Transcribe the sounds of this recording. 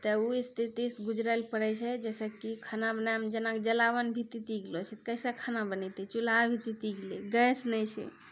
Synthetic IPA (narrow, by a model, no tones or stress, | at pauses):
t̪əuist̪ʰit̪isɡud͡ʒɾəlpəɾɛt͡ʃʰɛd͡ʒɛsəkikʰanabənajmd͡ʒənakd͡ʒəlawənbʱit̪it̪iɡlɔt͡ʃʰɛt̪kəjsakʰanabənɛjt̪ɛt͡ʃulabʱit̪it̪iɡleɡəjsnəjt͡ʃʰɛ̰